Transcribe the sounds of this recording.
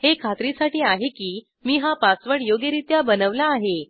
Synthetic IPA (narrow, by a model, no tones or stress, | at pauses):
hekʰat̪ɾisaʈiːaɦekiː | miːɦapãsʋəɳjoɡjəɾit̪jabənəʋlaːɦe